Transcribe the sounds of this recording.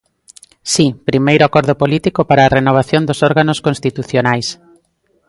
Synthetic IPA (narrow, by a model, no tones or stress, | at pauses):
sipɾimejɾoakɔɾðopolit̪ikopaɾaːrenoβ̞aθjond̪osɔɾɣanoskõnst̪it̪uθjonajs